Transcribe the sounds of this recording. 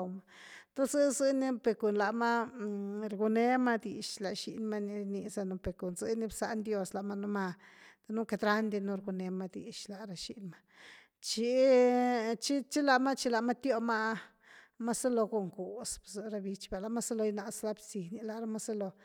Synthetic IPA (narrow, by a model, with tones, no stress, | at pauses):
wma˧t̪o˦szɨ˦zɨ˧ni˦pe˨ko˨nla˨ma˦ | ɾɡu˧ne˧ma˦d̪i˨ʃla˨ʃḭ˧nma˦ni˧ɾni˧za˧no˧pe˨ko˨nzɨ˦ni˧bsa˧ʔnd̪ʲjo˧sla˨ma˦nu˦ma˧t̪a˧nu˦ke˧d̪ɾa˦nd̪i˧nu˧ɾɡu˧ne˧ma˦˧d̪ḭ˨ʃla˨ɾa˧ʃḭ˧ʔnma˦ | t͡ʃi˧˦ | t͡ʃi˦t͡ʃi˦la˧˨ma˦t͡ʃi˧la˧˨ma˦t̪jo˦ma˦ | ma˦sa˦lo˧ɡo˨ŋku˨sb̥zɨ˧ɾa˧bi˧t͡ʃba˨la˧ma˦sa˦lo˧jna˧ʔsla˧bsi˨ni˧˦la˧˨ɾa˦ma˦sa˦lo˧